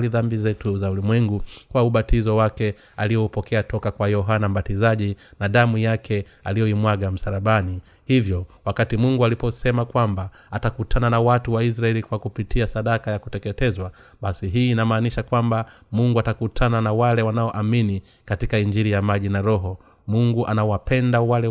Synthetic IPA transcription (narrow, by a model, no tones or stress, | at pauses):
liðambizɛtuzaulimwɛŋɡukwauɓatizɔwakɛ | alijɔupɔkɛatɔkakwajɔɦanam̩batizaʄinaɗamujakʰɛ | alijɔimwaɡam̩saɾaɓani | hivjɔwakatimuŋɡualipɔsɛmakwambaː | takutʰananawatuwais̬ɾaɛlikwakupitʰiasaɗakajakutɛkɛtɛzwaɓasiɦiːnamaːniʃakwamba | muŋɡuatakutʰananawalɛwanaɔʔamini | katikaiɲd͡ʒiɾijamaʄinaɾɔɦɔ | muŋɡuʔanawapɛndawalɛ